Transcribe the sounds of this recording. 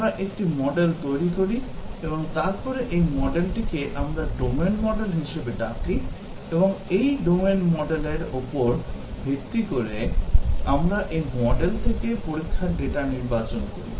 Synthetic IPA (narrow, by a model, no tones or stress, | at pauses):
amɾaʔekʈimɔɖelt̪ojɾikoɾieboŋt̪aɾpɔɾeʔejmɔɖelʈikeʔamɾaɖomenmɔɖelɦiʃebeɖaki | eboŋejɖomenmɔɖeleɾopoɾbʱekt̪ikoɾe | amɾaʔejmɔɖelt̪ʰekepoɾikʰːaɖeʈaniɾbat͡ɕonkoɾḭ